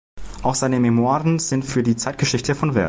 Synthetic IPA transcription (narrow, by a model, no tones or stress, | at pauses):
ʔʔaʊxz̥aɪnəmemoaːʁənz̥ɪntfyːɐdiːt͡saɪt̚ɡ̥əʃɪçtəfɔnvɛɐ